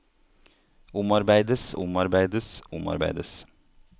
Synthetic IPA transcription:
ʊmɑɾbæɪd̪əsʊmɑɾbæɪd̪əsʊmɑ̰ɾbæ̰ɪd̪əs

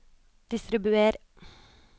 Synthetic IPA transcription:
d̪̥ɪst̪ɾɪbʉeːɾ

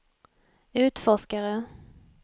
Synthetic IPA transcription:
ʉ̟ːt̪fɔʂkaɾə

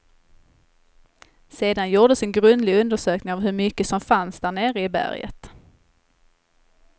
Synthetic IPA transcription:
seːd̪anjuːɖ̪əsɛnɡɾɵnd̪lɪɡɵnd̪əʂøːknɪŋavɦɵɾmʏkːəsɔmfansd̪æːɳeːɾəɪbæ̰ɾjə̰t̪

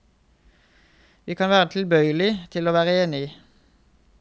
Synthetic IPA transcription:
ʋiːkʰɑnʋæːʁət̪ʰlbœʏəlɪt̪ʰɪloːʋæːʁəeːnɪiː

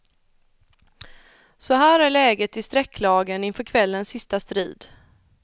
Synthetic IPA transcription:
sɔɦæːɾæɭɛːɡət̪ɪst̪ɾɛkʰːlɑːɡənɪnfœɾkʰvɛlːənsːɪst̪ast̪ɾḭːd̪

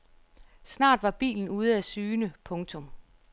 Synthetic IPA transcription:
snɑ̰̈ːd̥ʋɑ̈b̥ḭːln̩uːð̞ˠəæsyːnəpʰɔ̽ŋt͡sʰɔ̽m

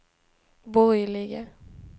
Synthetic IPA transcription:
bɔɾjlɪɡə

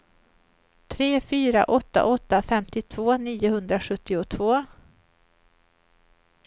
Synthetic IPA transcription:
t̪ʰɾeːfyːɾa̰ʔɔt̪ːa̰ʔɔt̪ːafɛmt̪ɪt̪ʰv̥oːniːʊhɵnd̪ɾaɧɵt̪ːɪʊt̪ʰvoː

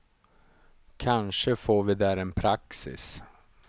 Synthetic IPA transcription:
kʰanʂəfoːɾvɪd̪æːɾɛnpʰɾaksɪ̰s

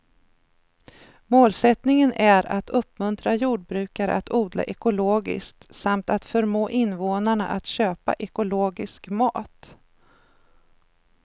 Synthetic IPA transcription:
moːlsɛt̪nɪŋənʔæɾat̪ʰɵpːmɵnt̪ɾajuːɖ̚bɾʉ̟ːkaɾə̰at̪uːd̪la̰ʔɛkʊloːɡɪ̰skt̪samt̪at̪fœɾmoːʔɪnvoːnaɳaʔat̪ɕøːpa̰ʔɛkʊloːɡɪskmɑːt̪

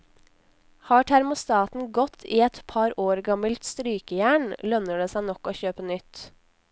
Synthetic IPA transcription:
hɑːʈʰæɾmʊst̪ɑːt̪n̩ɡɔt̪ʰiːɛt̪pʰɑɾoːɾɡɑməlt̪st̪ɾyːkəjæːɳlœnəɖeːsæɪnɔkoːçøːpənʏt̪

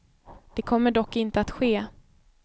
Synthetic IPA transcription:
d̪̥ɛkʰɔmːəɖɔkːɪnt̪əat̪ɧeː

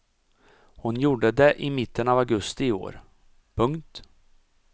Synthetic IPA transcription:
hʊnjuːɖəd̪ɛʔɪmɪt̪ːənavaɡɵst̪ɪo̰ːɾ | pʰɵŋkt̪

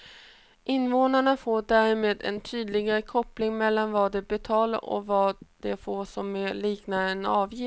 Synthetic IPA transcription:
ʔɪnːvoːnaɳafoːɖæːɾɪmeːd̪ɛ̰nt̪ʰyːd̪lɪɡaɾəkʰɔplɪŋmɛlːanvɑd̪ɛbɛt̪ʰɑːla̰ɾɔ̰vɑːd̪̥ɛfoːʂɔmːeliːknaɾɛnɑːvjɪ

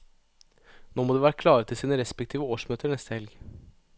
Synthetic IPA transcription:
noːmoːd̪eːʋæːɾəkʰlɑːɾət̪ʰɪlsiːnəɾɛspɛk̚t̪ʰiːʋəoːʂmøːt̪əɾɳɛst̪əhɛlɡ

